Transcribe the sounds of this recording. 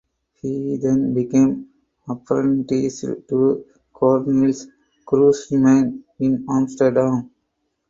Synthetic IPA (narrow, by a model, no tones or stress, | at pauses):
hiːd̪ẽnbikẽːm | əpɾə̃ɳʈiːsʈu | kʰɔːɾnɪls | kɾuːsmãɪnɪ̃nãːmsʈəɾɖãm